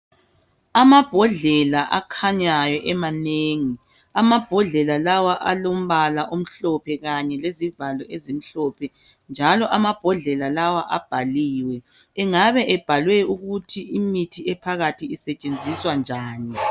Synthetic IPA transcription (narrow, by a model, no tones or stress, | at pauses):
amab̥ʱɔɮɛlaʔakʰaɲajɔʔɛmaneːŋi | amab̥ʱɔɮɛlalawaʔalom̩βalaʔom̩ɬɔpʰɛɣaɲɛlezivalɔʔezim̩ɬɔpʰɛ | nd͡ʒʱalɔʔamab̥ʱɔɮɛlalawaʔab̥ʱaliːwɛː | ŋaβɛʔɛb̥ʱalwɛuɣutʰiimitʰiɛpʰaɣatʰiːsɛt͡ʃʼend͡zʱiswand͡ʒʱaːni